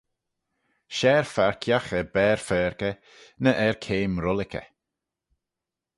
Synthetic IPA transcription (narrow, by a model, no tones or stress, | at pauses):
ʃɛɹfaɹkʰjaxəbɛːɹfɛːɹkə | nəʔɛɹkʰeːmɾʊlɪkə̰